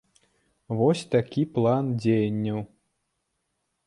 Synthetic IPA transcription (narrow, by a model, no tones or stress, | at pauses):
vɔsʲt̪akʲiplˠand͡zʲejɐnʲːɐw